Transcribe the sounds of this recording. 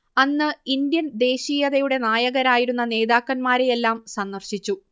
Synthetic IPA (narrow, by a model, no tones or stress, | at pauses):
ɐnːɨind̪jɐnd̪e̞ːɕijɐðɐjuɽe̞naːjɐɣɐɾaːjiɾunːɐne̞ːðaːkːɐnmaːɾe̞jelːaːmsɐnːɐrɕit͡ɕːu